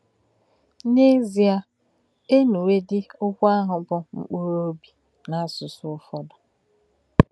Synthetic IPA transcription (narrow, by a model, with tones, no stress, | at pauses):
ne˦zi˨a˦ | e˦nu˨we˦dɪ˦ʊ˦kʷa˦ɦʊ˨bʊ˦ŋ͡m̩˦k͡po˦ɾo˦bi˨ | na˨a˦sʊ˨sʊ˦ʊ˦fɔ˦dɔ˨